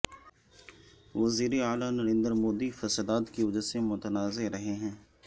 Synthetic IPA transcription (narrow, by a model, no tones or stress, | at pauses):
ʋɐziːɾeaːlanɐɾẽːnd̪əɾmoːd̪ifɐsəd̪aːt̪kiʋɐd͡ʒəɾsemʊt̪ənaːzeɾɐɦeɦɛ̃ː